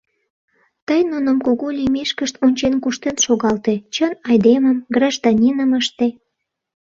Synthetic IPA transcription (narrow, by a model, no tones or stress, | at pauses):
t̪əjnunəmkoɣolʲimeʃkəʃt̪onʲt͡ɕenkuʃt̪enʃoɣɑlt̪e̽t͡ɕənɑjd̪eməmɡrɑʒd̪ɑnʲinəməʃt̪e